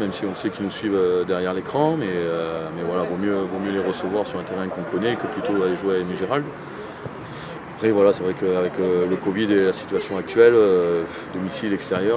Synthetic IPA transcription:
mɛmsiɔ̃sɛkʲinusɥivød̪ɛʁjɛʁlekχɑ̃mɛømɛvwalavomjøvomjøleʁəsəvwaʁsyʁɛ̃t̪eʁɛ̃kɔ̃kɔnɛkəplyt̪oaleʒwɛniʒeʁald̪ | apχɛvwalasɛvʁɛkəavɛkələkɔvid̪elasi̥t̪yasjɔ̃ak̚t̪ɥɛlø | d̪ɔmisilɛkst̪eʁjœʁ

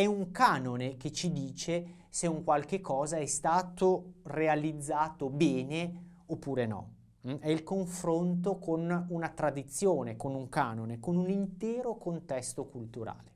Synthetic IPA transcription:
ɛuŋkaːnoneket͡ʃːid̪iːt͡ʃe | seuŋkwalkekʰːɔːzaɛst̪aːt̪orealid̪zːaːt̪obɛːne | opːuːɾenɔ̰ | ɛilkoɱfɾont̪okʰonunat̪ɾad̪it̪sːjoːnekonuŋkaːnonekonunint̪ɛːɾokont̪ɛst̪okult̪uɾa̰ːle

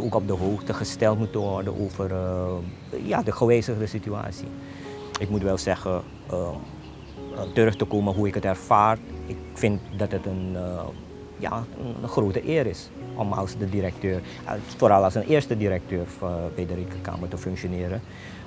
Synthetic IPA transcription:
oːkɔp̚dəɦoːxtəχəstɛlˠtmutəʋɔrdə̰nʔo̰ːvər | ja̰dəxoweːsəxdəsitya̰ːsḭ | ɪkmutʋɛlˠsɛxə | ə | tərʏxtəkoːməɦuɪkətɛrfaːɹɪkfɪntdɑtətən | ja̰ənxroːtəʔɪːɾɪs | ʔɔmɑ̰lˠsdədiɾək̚tøːr | foːɾɑlˠɑlˠsənʔɪːrstədiɾək̚tøːrfbedərikərka̰ːmətəfʏŋksjonɪːɾə

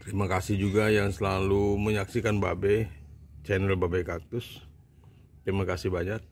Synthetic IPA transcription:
t̪əɾimakasɪhd͡ʒuɡajaŋsəlaluməɲaksikanbabɛt͡ʃɛnɾalbabekak̚t̪ʊs | t̪ɾimakasibaɲat̪̚

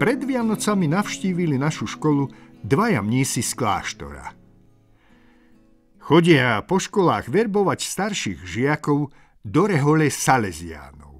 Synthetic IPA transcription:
pɾɛd̪ʋɪanɔt͡saminaʊʃciːʋilinaʃuʃkɔlud̪ʋaja̰mɲiːsiskla̰ːʃt̪ɔ̰ɾa̰ | xɔɟɪapɔʃkɔlaːɣʋɛɾbɔʋacst̪aɾʃiːɣʒɪakɔʊ | d̪ɔɾɛɦɔlɛsalɛzɪa̰ːnɔ̰ʊ

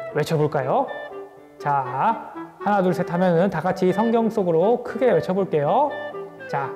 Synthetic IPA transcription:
we̞t͡ɕʰʌboɭk͈ajo | t͡ɕa | hanaduɭsʰetʰamjʌnɯntaɡat͡ɕʰisʰʌŋɡjʌŋs͈oɡɯɾokʰɯɡe̞we̞t͡ɕʰʌboɭk͈e̞jo | t͡ɕa

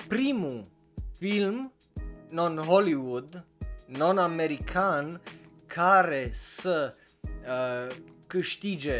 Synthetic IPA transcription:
pɾimu | film | nonɦoliwud̪nonameɾikʰan | kʰaɾesə | kɨʃt̪id͡ʒe

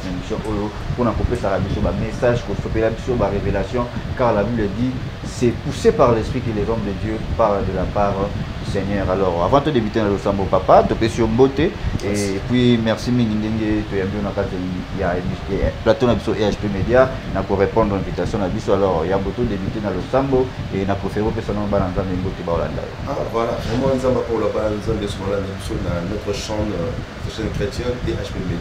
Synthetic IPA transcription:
ɛnisjɔ̃ʔojo | ponakopesakabisobamesaʒkosopelabisobaʁevelasjɔ̃kaʁlabibledi | sɛpusepaʁlɛspχikelɛzɔ̃mdedjøpaʁld̪əlapaʁdysɛɲœʁalɔʁavɑ̃todebitenalosãmbopapatopesyʁmboteepwimɛʁsimĩŋɡindeŋɡetojãmbionakatijaplatonabisoʔeaʃpemedja | nakoʁepɔ̃ndʁɛ̃vitasjɔ̃nabisoalɔʁjãmbotodebytenalosamboenapʁefeʁep̬esanɔ̃bananzãmbembotebaola̰nda̰jo̰avwalavʁɛmãnzãmbapãolabananzãmbesobaolandabisonanɔt̪ʁəʃɑ̃ | sosɛnkʁetjɛ̃teʔaʃpemeda

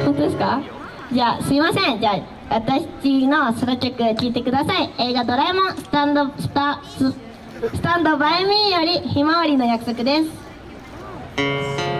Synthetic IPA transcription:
hot̪od̪esɨ̥ka | d͡ʑaːsɨimasẽŋd͡ʑaː | βat̪akt͡ɕino̞sɨɾot͡ɕʲokɯ̟kʲiːt̪e̞kɯ̟d̪asaieɡad̪oɾaemɯ̃st̪s | sɨ̥t̪ãnd̪obaemʲĩjoɾʲiçimaβaɾʲino̞jakɯ̟̥so̞kɯ̟d̪es

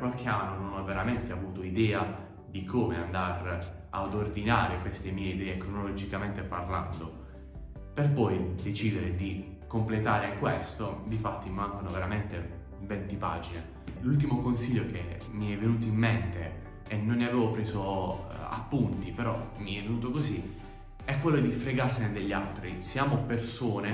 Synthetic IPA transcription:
kwalk̟eanːononɔvːeɾament̪eavuːt̪oid̪ɛːa | d̪ikoːmeand̪aɾ | ad̪ord̪inaːɾekwest̪emiːeid̪ɛːekɾonolod͡ʒikament̪eparla̰nd̪o | perpɔjd̪et͡ʃiːd̪eɾed̪i | komplet̪aːɾekwest̪od̪ifat̪ːimimaŋɡonoveɾament̪e | vɛnt̪ipa̰ːd͡ʒine | lult̪̬imokonsiʎːoke | miɛvːenuːt̪oimːent̪eː | nːonːeaveːvopɾeːzoa̰pːunt̪ipeɾɔmiɛvenuːt̪okozi | ɛkːwelːod̪ifɾeɡarsened̪eʎːalt̪ɾisjaːmopersoːne

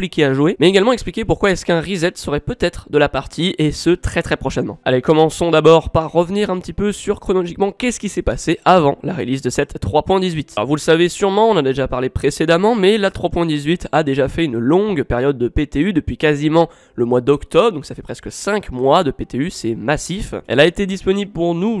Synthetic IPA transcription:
plikʲeaʒuwemɛeɡalmɑ̃ɛksplikʲepuʁkwaɛskɛ̃ʁizɛt̪səʁɛpøt̪ɛt̪χəd̪əlapaʁt̪ʰiesət̪χɛt̪χɛpχɔʃɛnmɑ̰̃a̰lekɔmɑ̃sɔ̃d̪abɔʁpaʁːəvniʁɛ̃pət̪ipøsyʁkχɔnɔlɔʒikmɑ̃kʲɛskʲisɛpaseʔavɑ̃laʁḛlizd̪əsɛt̪ːχwapwɛ̃d̪izɥit̪lɔ̰ʁvuləsavesyʁmɑ̃ɔ̃nad̪eʒapaʁlepχesed̪amɑ̃mɛlat̪χwapwɛ̃d̪izɥit̪ʰad̪eʒafɛynlɔ̃ɡpɛʁjɔd̪̚ːəpet̪eyd̪əpɥikazimɑ̃ | ləmwad̪ɔkt̪ɔbʁd̪ɔ̃ksafɛpχɛskəsɛ̃kmwad̪əpet̪eysɛmasifɛ̰laet̪ed̪ispɔnibləpuʁnu

